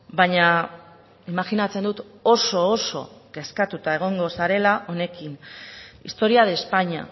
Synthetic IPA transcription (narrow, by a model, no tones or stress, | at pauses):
baɲa | imaxinat͡se̞nd̪ut̪o̞so̞ːso̞̰ɡe̞skat̪ut̪ae̞ɣ̞o̞ŋɡo̞saɾe̞laʔo̞ne̞kinḭst̪o̞ɾiaðe̞spaɲa̰